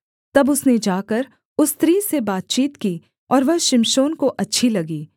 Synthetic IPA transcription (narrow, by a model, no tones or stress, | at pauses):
t̪ɐbʊsned͡ʒaːkɐɾ | ʊst̪ɾiːsebaːt̪̚t͡ʃiːt̪kiː | ɔːɾʋɐɦʃɪmʃoːnkoʔɐtːʃʰilɐɡiː